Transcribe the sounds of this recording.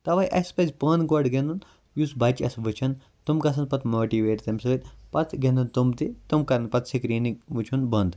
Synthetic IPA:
t̪ɐʋɐjʔɐspɐzʲpənɡoɖɡend̪un | jusbɐt͡ʃɐsʋɨt͡ʃʰɐn | t̪umkɐs̬ɐnpɐt̪ʰmoːʈiʋeːʈt̪ɐmʲsɐʋit̪pɐt̪ʰɡʲend̪unt̪umt̪it̪umkɐɾɐnpɐt̪ʰsikɾiːnikʋɨt͡ʃʰunbɐnd̪

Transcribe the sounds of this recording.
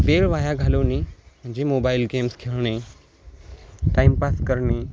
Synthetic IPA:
beɭʋajaɡʱaləʋnim̤əɳd͡ʑemobailɡemskʰeɭɳe | ʈaimpaskəɾɳe

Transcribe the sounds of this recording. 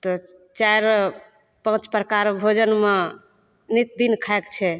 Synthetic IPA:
t̪ɔ | t͡ʃaɾ | pə̃t͡ʃpɾəkaɾbʱod͡ʒənme | nit̪̚d̪inkʰaekt͡ʃʰɛ

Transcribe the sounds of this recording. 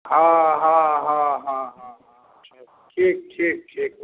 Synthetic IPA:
ɦãɦãɦãɦãɦãɦã | ʃʰa | ʈʰiːk̚ʈʰiːk̚ʈʰiːk̚

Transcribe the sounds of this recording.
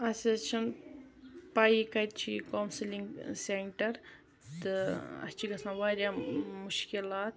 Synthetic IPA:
ɐsʲɐt͡ʃʰɐn | pajikɐt̪t͡ʃʰikownsliŋɡseɳʈɐɾ | t̪ɨɐ̰st͡ʃʰiɡɐsãːnʋaːɾʲjaːmuʃkilaːt̪̚

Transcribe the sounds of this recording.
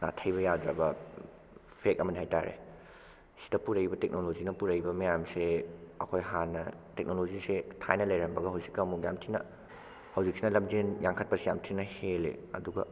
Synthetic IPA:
na̰tʰɐjbɐjadɾabɐ | pʰek̚ɐmɐnihajta̰ɾḛ | si̥dɐpuɾɐjbɐtek̚nolozinɐpuɾɐjbɐmɐjamseɐ̰kʰojɦanːɐtek̚nolozisetʰa̰jnɐlɐjɾɐmbɐɡɐɦɐwzikːawmukjamtʰinɐ̰ | hɐwzik̚sinɐlɐmd͡ʒenjaŋkʰɐt̚pɐsijamtʰinɐhelḛɐ̰duɡɐ̰

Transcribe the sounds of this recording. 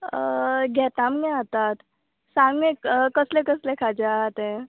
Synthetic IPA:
ɡɛːt̪ammẽat̪at̪ | sãŋɡmẽkəslekəslekʰad͡ʒat̪ẽ

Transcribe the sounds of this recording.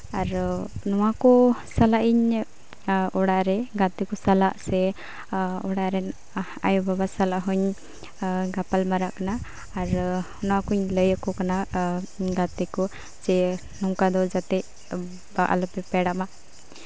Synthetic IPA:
aɾnɔwakɔsalaʔiɲ | ɔɽaʔɾɛɡat̪ikɔsalaʔsɛ | ɔɽaʔɾɛ | a̰jɔbabasalaʔɦuɲ | ɡapalmaɾaʔkanaː | ɾ | nɔwakuɲləjəkɔkana | ɡat̪ikɔ | d͡ʒɛ | nɔŋkad̪ɔd͡ʒat̪ɛ | baʔa̰lɔpɛpɛɽaʔma

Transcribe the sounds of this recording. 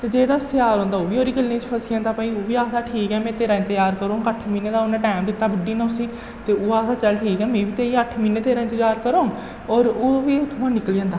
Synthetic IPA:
t̪eːd͡ʒeːɽaːsɪjaːɾõːnd̪aːoːʋiːoːɾiːɡəlːĩːt͡ʃpʰəsiãːnd̪aːpaːiːoːʋiːaːd̪aːʈʰiːkɛːmɛ̃ːt̪eːɾãːt̪əjaːɾkəɾoːɦõŋɡəʈʰmiːneːd̪aːʊnɛ̃ːʈaːmd̪ɪt̪ːaːbəɖiːnaosĩː | t̪eːoːaːd̪aːt͡ʃəlʈʰiːkɛːmẽːʋiːt̪eːɾĩːəʈʰmiːneːt̪eːɾãːt̪əjaːɾkəɾõː | ɔːɾoːʋiːt̪ʰʊãːnɪkliːãːnd̪aː

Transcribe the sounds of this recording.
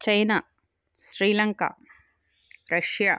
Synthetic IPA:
t͡ʃɐjna | ʃɾiːlɐŋka̰ | ɾɐʂjaː

